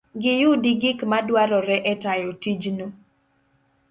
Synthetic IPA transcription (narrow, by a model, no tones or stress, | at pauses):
ɡɪjʊdiɡɪkmadwaɾɔɾɛʔɛtajɔtid͡ʒno